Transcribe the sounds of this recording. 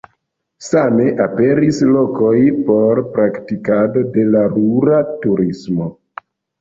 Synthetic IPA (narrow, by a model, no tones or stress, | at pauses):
same̞ʔape̞ɾislo̞ko̞jpo̞ɾpɾaktikado̞de̞laɾuɾatuɾismo̞